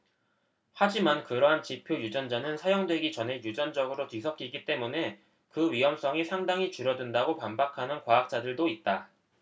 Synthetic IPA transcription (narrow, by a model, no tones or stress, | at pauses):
had͡ʑimankɯɾʌɦant͡ɕipʰjojud͡ʑʌnd͡ʑanɯnsʰajoŋdwe̞ɡit͡ɕʌne̞jud͡ʑʌnd͡ʑʌɡɯɾotɥisʰʌk͈iɡit͈e̞mune̞ | kɯɥiɦʌms͈ʰʌŋisʰaŋdaŋit͡ɕuɾjʌdɯndaɡopambakʰanɯnkwaak̚t͡ɕ͈adɯɭdoit̚t͈a